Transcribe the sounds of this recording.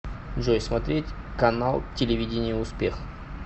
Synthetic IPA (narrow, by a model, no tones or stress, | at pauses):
ʐojsmɐt̪ɾʲetʲ | kɐnalˠtʲɪlʲɪvʲidʲɪnʲɪjʊʊspʲex